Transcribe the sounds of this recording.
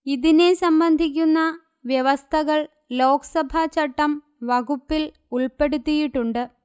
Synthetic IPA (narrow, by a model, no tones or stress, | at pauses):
iðine̞sɐmbɐnd̪ʱikʲːunːɐ | ʋjɐʋɐst̪ʰɐɣɐɭ | lo̞ːkɐ̥sɐbʱɐt͡ɕɐʈːɐm | ʋɐɡupːil | uɭpe̞ɽut̪ːijiʈːuɳɖɨ